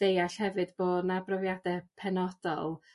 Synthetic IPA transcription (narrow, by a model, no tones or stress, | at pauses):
d̥ejaɬhɛvɨdb̥oːdnabrɔvjadɛpʰɛnɔd̥ɔ̰lˠ